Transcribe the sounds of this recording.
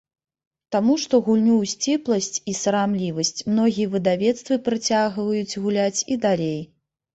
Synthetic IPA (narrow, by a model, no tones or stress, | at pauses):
t̪amuʂt̪ɔɣulʲnʲuwsʲt͡sʲɛplˠɐsʲt͡sʲisɐɾamlʲivɐsʲt͡sʲmnɔɣʲijɛvɨd̪avʲɛt̪st̪vɨpɾɨt͡sʲaɣvɐjut͡sʲɣulʲat͡sʲid̪alʲej